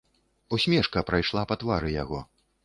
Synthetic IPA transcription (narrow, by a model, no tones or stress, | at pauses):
usʲmʲɛʂkɐpɾajʂlˠapɐt̪vaɾɨjaɣɔ̰